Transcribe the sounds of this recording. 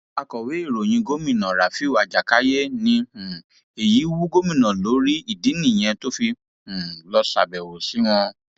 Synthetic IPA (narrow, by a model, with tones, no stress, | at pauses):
a˨kɔ˨we˨˦e˦˨ɾo˨j̃ĩ˧ɡo˦mĩ˦˨nã˨ɾa˨fi˦a˨d͡ʒa˨ka˨˦je˦nĩ˧hũ˨ | e˨ji˨˦wu˦ɡo˦mĩ˦˨nã˨lo˨˦ɾi˦i˦˨di˨˦nĩ˦˨j̃ɛ̃˧to˦fi˧ | ũ˨lɔ˧˦sa̰˨bɛ˨wo˨si˨˦w̃ɔ̃˧